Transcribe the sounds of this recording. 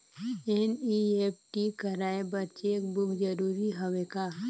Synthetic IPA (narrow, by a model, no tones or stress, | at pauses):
eniep̚ʈikəɾaːebɐtːt͡ʃeekbʊkd͡ʒəɾuːɾiɦɐʋeka